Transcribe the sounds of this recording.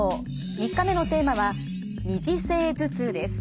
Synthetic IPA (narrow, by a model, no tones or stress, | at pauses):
ɲʲikːame̞no̞t̪e̞ːmaβa | ɲiʑise̞ːzɨt͡sɨd̪e̞sɨ̥